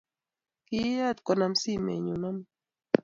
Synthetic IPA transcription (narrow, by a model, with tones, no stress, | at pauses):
ki˦a˦t̪kɔ˦na˦msi˦mḛ˨ɲu˨na˦m